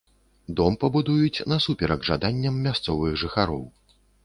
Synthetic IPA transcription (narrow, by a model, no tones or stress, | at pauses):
d̪ɔmpɐbud̪ujut͡sʲnɐsupʲɛɾɐɡʐad̪anʲːɐmːʲast̪sɔvɨɣʐɨxaɾɔw